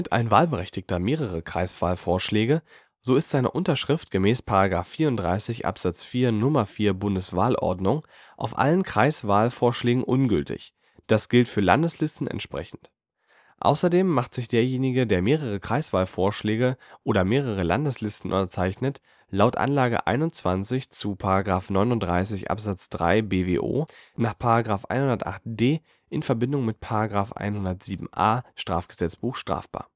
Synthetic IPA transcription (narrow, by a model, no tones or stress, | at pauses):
ɪta̰ɪnva̰ːlbəʁɛçtɪk̚tɐmeːʁ̞əʁ̞əkʁ̥a̰ɪsv̥aːlfoːɐʃlɛːɡə | z̥oːɪstz̥aɪnə̰ʔʊntɐʃʁ̥ɪftɡ̥əmɛːspʰaʁaɡʁaːfːiːɐʊntd̥ʁa̰ɪsɪçʔa̰pz̥at͡sfiːɐnʊmɐfiːɐbʊndəsv̥a̰ːlʔɔ̰ɐdnʊŋ | ʔa̰ʊfʔa̰lənkʁ̥aɪsv̥aːlfoːɐʃlɛːɡŋ̩ʔʊnɡʏltʰɪ̰ç | d̥asɡ̥ɪltfyːɐla̰ndəslɪstn̩ɛ̰ntʃpʁ̥ɛ̰çn̩t | ʔa̰ʊsɐdeːmːaχtz̥ɪçd̥eːɐjeːnɪɡədeːɐmeːʁəʁ̞əkʁ̥aɪsv̥aːlfoːɐʃlɛːɡəʔoːɾɐmeːʁəʁ̞əla̰ndəslɪstn̩ʔʊ̰ntɐt͡saɪçnət | laʊtʔa̰nlaːɡə̰ʔa̰ɪnʊnt͡sv̥ant͡sɪçt͡supʰaʁaɡʁaːfnɔʏnʊntd̥ʁaɪs̬ɪçʔa̰pz̥at͡sd̥ʁa̰ɪbeːvḛːʔo̰ːnaːχpʰaʁaɡʁaːfʔa̰ɪnhʊndɐtʔa̰χt̚d̥eː | ʔɪnfɛɐbɪndʊŋmɪt̚pʰaʁaɡʁaːfʔa̰ɪnhʊndɐtz̥iːbm̩ʔa̰ːʃtʁ̥a̰ːfɡ̥əzɛt͡sb̥uːxʃtʁ̥a̰ːfb̥a̰ːɐ